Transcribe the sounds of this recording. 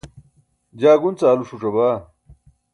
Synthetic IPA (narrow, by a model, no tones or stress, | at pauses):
d͡ʑaːɡunt͡saːluʂuʈ͡ʂɐbaː